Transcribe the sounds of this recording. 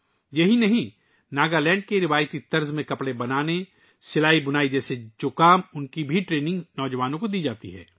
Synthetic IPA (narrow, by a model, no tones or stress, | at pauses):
jɐɦinɐɦĩ | naːɡalɛ̃ːɳɖ̚keɾɪʋaːjt̪it̪ɐɾzmẽkɐpɽebɐnaːne | sɪlaːibʊnaːid͡ʒɛːsed͡ʒoːkaːmʊnkibʱiʈɾeːnɪ̃ŋɡnɔːd͡ʒəʋaːnõkod̪iːd͡ʒaːt̪ḭɦɛ̰ː